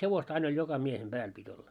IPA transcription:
heʋostɑ ɑin olʲ jokɑ miehem b̥æːl pitʲ olːɑ

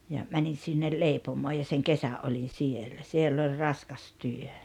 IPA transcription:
jɑ mænin̞ sinːel leipomoː jɑ seŋ kesæʔ ʔolʲin̞ sielæ sielː ol rɑskɑs tyø

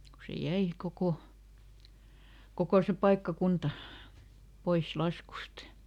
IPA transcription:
ku se jæi koko kokoˑ se pɑikːɑkuntɑ pois lɑskust

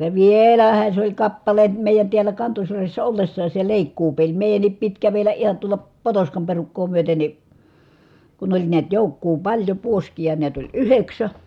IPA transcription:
jɑ ʋieˑlæhæ sĕ olʲ kɑpːɑle meˑijæn tiælˑæ kɑntosyrjæsːæ olːesːɑːs se leˑikːuːpelʲ meˑi̯jænːip pit kæʋelˑæ ʔihɑn tuolɑ potoskɑm perukːoː myøte ni kun olʲ niæt joˑukːuː pɑlʲjo puoskijɑ niæt olʲ yheksæ

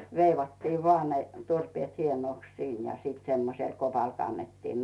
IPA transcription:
ʋeiʋɑtːiː ʋoɑˑ ne turpĭeˑt hienoˑks siːn jɑ semːosel kopɑl kɑnːetːiːn

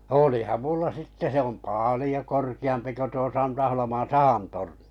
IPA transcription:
oliˑhɑm mulːɑ sitːe se om pɑˑlĭjo korkiɑmpi ko tuo sɑntɑholomɑn̞ sɑhɑn torni̥

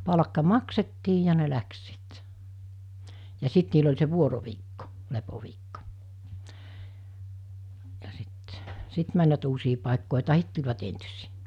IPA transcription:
pɑlɑ̆kːɑ mɑksetːiː jɑ ne læks sit jɑ sit niːl olʲ se ʋuoroʋiːkːo lepoʋiːkːo jɑ si̥t sit mænʲʋæt uːsiː pɑˑekːoˑe tɑhit tulʲʋɑt entysi̥ː

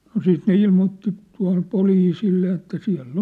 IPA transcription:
no siːt ne ilmoːtːi tuɑ̝hŏm poliːsilːe jɑ etːæ siæ̝lː

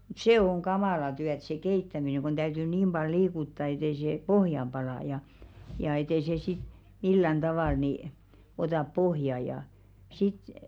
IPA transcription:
seˑ oŋ ɡ̊ɑmɑˑlɑ tyæt se keitːæmineŋ ɡ̊on tæytyː niːm b̥ɑl liːkutːɑ et ei seˑ pohjɑm b̥ɑlɑˑ jɑ jɑ et ei se sit milːæn d̥ɑʋɑˑl niˑ otɑˑp pohjɑ jɑ sit

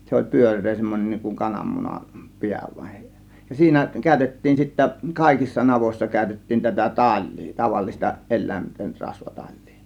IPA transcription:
se olʲ pyørˑeː semːonʲen n̆iŋ kuŋ kɑnɑmːunɑm piæ ʋɑin jɑ siːnæ kæˑø̝tetːiːn sitːæ kɑˑe̝kisːɑ nɑʋoĭsːɑ kæˑø̝tetːiːn tætæ tɑl̆ʲli̥ː tɑʋɑlːistɑ elˑæˑinten rɑsʋɑ tɑl̆ʲli̥ː

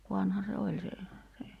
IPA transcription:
ʋɑnhɑ se olʲ se se

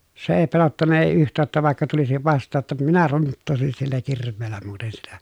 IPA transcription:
se eː pelotːɑnːɑ eˑi yhtˑæː tːæ ʋɑˑi̯kːɑ tulisiʋ ʋɑstˑɑː tːɑ minæ runtːoˑesin silːæ kirʋˑeːlːæ muːten sitæ

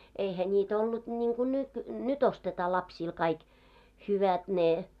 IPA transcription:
eihæ nʲiːtæ olːut nʲiːŋɡ̊u nyt nyt ostetɑː lɑpsiːl kɑik hyʋæt ne

